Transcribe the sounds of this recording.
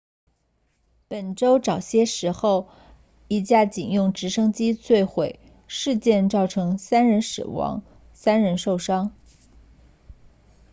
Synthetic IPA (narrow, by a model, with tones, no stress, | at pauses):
pə˨˩nʈ͡ʂo˥ʊʈ͡ʂɑ˨˩ʊɕjɛ˥ʂɻ̩˧˥xo˥˩ʊ | i˧˥t͡ɕja˥˩t͡ɕi˨˩njʊ˥˩ŋʈ͡ʂɻ̩˧˥ʂɤ˥ŋt͡ɕi˥t͡swe˥˩ɪxwe˨˩ɪ | ʂɻ̩˥˧t͡ɕjɛ˥˧nʈ͡ʂɑ˥˩ʊʈ͡ʂʰɤ˧˥ŋsa˥nɻə˧˥nʂɻ̩̰˨˩wɑ̰˧˥ŋ | sa˥nɻə˧˥nʂo˥˩ʊʂɑ˥ŋ